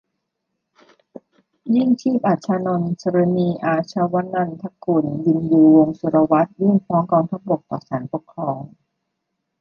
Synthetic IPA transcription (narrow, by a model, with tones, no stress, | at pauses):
ji˥˩ŋt͡ɕʰiː˥˩p̚ʔa˨˩t̪̚t͡ɕʰaː˧nɔ˧nsə˧ɾa˧niː˧ʔaː˧t͡ɕʰa˧wa˦˥nːa˧nt̪ʰa˦˥ku˧˩ndi˧njuː˧wo˧ŋsu˧ɾa˧wa˦˥t̪̚ji˥˩ŋfʰɔː˦˥ŋkɔː˧ŋt̪ʰa˦˥p̚bo˨˩k̚t̪ɔː˨˩saː˩˦npo˨˩kʰɾɔː˧ŋ